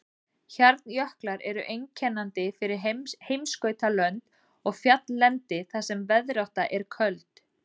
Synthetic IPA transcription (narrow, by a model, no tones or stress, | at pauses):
çaɾt̪njœhklaɾɛɾʏʔejɲcʰɛnːant̪ɪfɪɾɪɾhejmskœːɥt̪alœnt̪ | ɔɣfjat̪nlɛnt̪ɪθasɛmvɛðɾawht̪aʔɛɾ̥kʰœlt̪